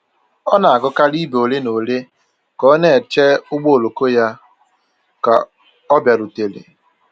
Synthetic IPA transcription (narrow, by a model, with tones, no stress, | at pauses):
ɔ˦na˨a˨ɡʊ˦ka˦li˦bo˨le˦no˨le˦ | kɔ˨˦ne˦˨t͡ʃe˦ʊ˦ɡ͡bo˦o˨lo˨ko˦ja˦ | ka˨ | ɔ˦bja˨ɾu˨te˨lḛ˨